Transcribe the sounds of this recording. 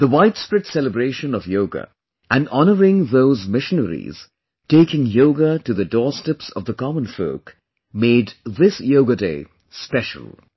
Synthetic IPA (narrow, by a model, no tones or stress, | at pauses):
ðəwaɪdspɹɪtsɛləbɹeɪʃə̃nʌvjoʊɡə̰ | ʔɨ̃nɑnəɹɪ̃ŋðoʊzmɪʃənəɾḭz̥ | teɪkɪ̃ŋjoʊɡətɨðɨdɔstɪpsʌvðəkɑmə̃nfo̰ʊk | meɪdðɪsjoʊɡədeɪ | spɛʃə̰l̩ˠ